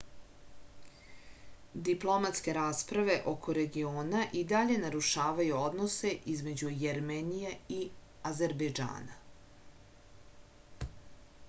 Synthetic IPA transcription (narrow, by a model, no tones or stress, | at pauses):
d̪iplˠo̞mat̪ske̞ɾaːspɾaʋe̞ʔo̞kʰo̞ɾe̞ɡioːnaʔid̪aʎe̞naɾuʃaːʋajuo̞d̪no̞se̞ʔizme̞d͡ʑujeɾmenijei | aze̞ɾbejd͡ʒa̰ːna